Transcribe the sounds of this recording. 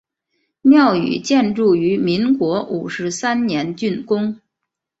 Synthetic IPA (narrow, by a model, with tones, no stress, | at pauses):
mjɑ˥˩ʊy̰˨˩t͡ɕjɛ˥˧nʈ͡ʂu˥˩y˧˥mi˧˥ŋkwɔ˧˥ʔu˨˩ʂɻ̩˧˥sa˥nnjɛ˧˥nt͡ɕy˥˧nkʊ˥ŋ